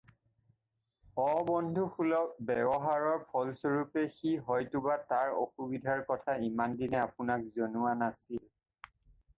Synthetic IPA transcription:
ɔbɔndʱuxulɔk̚bɛbɔɦaɹɔɹpʰɔlsɔɹupɛxiɦɔjtʊbataɹo̰xubidʱaɹkɔtʰaimandinɛapʊnak̚zonʊwanasil

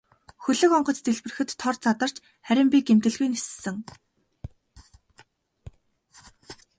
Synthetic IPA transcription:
xɵɮɘ̆kɔɴɢɞ̆t͡st̪eɮpɘ̆rɘ̆xɘ̆t̪ʰːɔrt͡sat̪ə̆r̥t͡ɕ | χæɾʲɪ̆mpʲiɡem̥t̪ɘ̆ɮɣujnessɘ̆ŋ

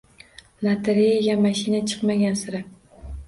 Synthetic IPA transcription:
lˠat̪ʰeɾejaɡʲamaʃinat͡ʃʰɨ̥qmaɡʲansɪɾɪ

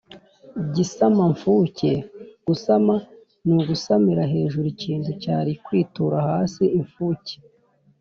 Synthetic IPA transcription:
ɟisamaɱfuːceɡ̥usama | nuɡusamiɾaɦe̞ːʒuɾiciːntucaːɾikwiːtuɾahaːsiiɱfuːce̥

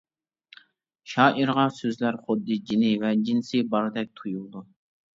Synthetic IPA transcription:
ʃɑːʔiɾʁɑsøzlæɾχʊd̪ːɨd͡ʒinɪvɛd͡ʒinsɪbɑɾɨd̪ɛk̚ʲt̪ʰujulˠd̪u

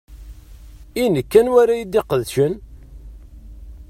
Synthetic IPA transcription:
inəkːænwæɾajəd̪ːeqəðʃən

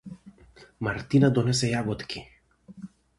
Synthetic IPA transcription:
maɾt̪inad̪ɔnɛsɛjaɡɔt̪kʰʲi

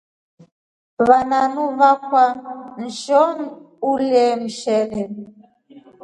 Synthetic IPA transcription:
βananuβakwan̩ʒɔn | ulɛm̩ʃɛlɛ

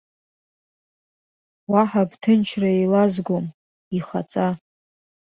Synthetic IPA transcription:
waħabtʰɨnt͡ʃʰraelazɡʷom | iχa̰t͡sʼa

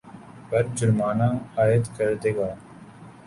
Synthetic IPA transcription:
pəɾd͡ʒʊɾmaːnãːaːjəd̪kəɾd̪eːɡaː

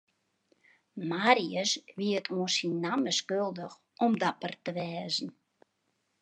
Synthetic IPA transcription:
maːriəsʋiətʰoə̃nsinːaməskølˠdəx | ɔmdapərtəʋɛːzn̩

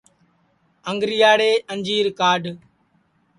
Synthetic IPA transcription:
əŋɡɾijaːɽeːʔəɲd͡ʒiːɾkaːɖ

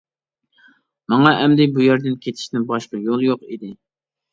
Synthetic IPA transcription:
mɑŋɑʔɛmd̪ɪbujæɾd̪ɪnkʲʰet̪ʰi̥ʃnɪbɑʃqɑjolˠjoqid̪ɪ

